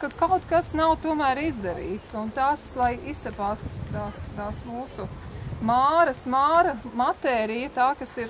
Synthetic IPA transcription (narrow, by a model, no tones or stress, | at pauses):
kakawt̪kasnawt̪uɔmæːɾizd̪ɐɾḭːt̪sunt̪aːslˠajisɛpaːst̪aːst̪aːsmuːsumaːɾɐsmaːɾɐmat̪ɛːɾijɐt̪aːkɐsiɾ